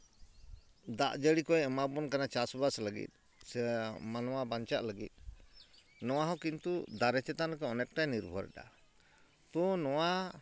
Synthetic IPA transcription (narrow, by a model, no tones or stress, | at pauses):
d̪a̰ʔd͡ʒəɽikɔɛmabɔnkanat͡ʃasbasləɡḭt̪̚ˀ | sɛmanɔwabaɲt͡ʃaʔləɡḭt̪̚ˀ | nɔwaɦɔkint̪ud̪aɾɛt͡ʃɛt̪anəkɔɔnɛk̚ʈajniɾbʱɔɾa̰da̰ | t̪ɔnɔwa